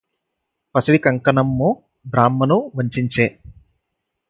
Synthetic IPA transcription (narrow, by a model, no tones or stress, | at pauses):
pɐsiɽikɐŋkɐnɐmːu | bɾaːmːɐnuʋɐɲt͡ʃiɲt͡ʃeː